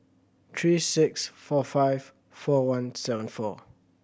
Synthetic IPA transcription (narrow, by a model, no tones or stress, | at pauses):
t̪ʰɹiːsɪksfɔfaɪv̥ | fɔwãnsɛvə̃nfɔ